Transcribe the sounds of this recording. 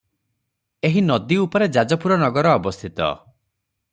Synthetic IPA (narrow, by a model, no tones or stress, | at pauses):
eɦinɔd̪iupɔɾed͡ʒad͡ʒɔpuɾɔnɔɡɔɾɔːbɔst̪ʰit̪ɔ̰